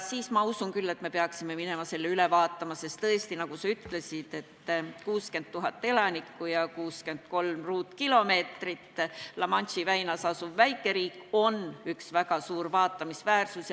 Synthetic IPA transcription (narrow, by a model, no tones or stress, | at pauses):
siːsmɑusunkylːe̞t̪me̞peɑksime̞mine̞mɑse̞lːeylevɑːt̪ːˑɑmɑse̞st̪t̪ɤest̪inɑkusɑyt̪ːle̞sid̪̥e̞t̪ːˑkuːske̞nd̪̚t̪ːuɦɑt̪ːe̞lɑnʲikːˑujɑkuːske̞ndt̪ko̞lmruːt̪ːˑkilo̞me̞ːt̪rit̪ːlɑmɑnʲsivæjnɑsɑsuvːæjkˑːe̞ɾiːkːo̞nyksvæɡɑsuːrvɑːt̪ːˑɑmisvæːrsus